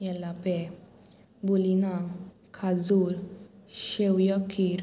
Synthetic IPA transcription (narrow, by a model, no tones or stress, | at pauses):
jɛlːapɛ | bulina | kʰad͡zuɾʃɛwjɔkʰːiɾ